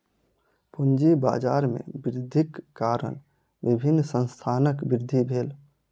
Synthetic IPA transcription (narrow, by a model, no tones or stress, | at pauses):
pund͡ʒiba̰ːd͡ʒaːɾmḛ̃bɪɾd̪ʱikːaːɾə̰n | bɪbʱɪnːsə̃nst̪ʰaːnəkbɪɾd̪ʱːibʱeːl